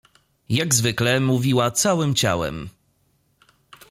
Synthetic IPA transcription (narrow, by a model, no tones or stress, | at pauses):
jaɡzvɘklɛmuvʲiwat̪sawɘmt͡ɕa̰wɛ̰m